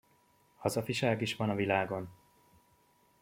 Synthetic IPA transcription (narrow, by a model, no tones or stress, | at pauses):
hɒzɒfiʃaːɡiʃʋɒnɒvilaːɡo̞n